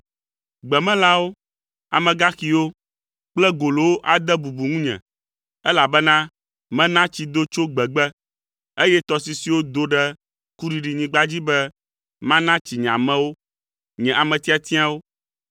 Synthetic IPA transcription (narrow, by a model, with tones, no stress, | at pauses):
ɡ͡bɛ˨mɛ̃˦la˦wo˦ | a̰˨mɛ̃˨ɡa˦xi˨wo˦ | k͡plɛ˦ɡo˨lo˨wo˦ʔa˨d̪ɛ˦bu˨bu˨ŋũ˦ɲɛ̰̃˨ | ɛ˦la˨bɛ˦nã˦ | mɛ̃˦nã˦t͡ɕi˨d̪o˦t͡ʃo˦ɡ͡bɛ˨ɡ͡bɛ˦ | e˦jɛ˦t̪ɔ˨si˨si˨wo˦d̪o˦ɖɛ˦ | ku˦ɖi˨ɖi˨ɲĩ˨ɡ͡ba˦d͡ʑi˦bɛ˦ | mã˦nã˦t͡ɕi˨ɲɛ̃˨ã̰˨mɛ̃˦wo˦ | ɲɛ̃˨ʔa˨mɛ̃˨t̪i˦a˨t̪i˦a˦wo˦